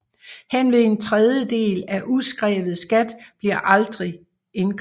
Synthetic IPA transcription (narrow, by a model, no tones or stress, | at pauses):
henʋe̝e̝nt͡sʰʁɛð̞ˠjəd̥e̝̰ːlæʔusɡ̥ʁɛ̰ːʋð̩ˠsɡ̥æd̥b̥liɐ̰ʔɑ̈ld̥ʁi | e̝nkʰ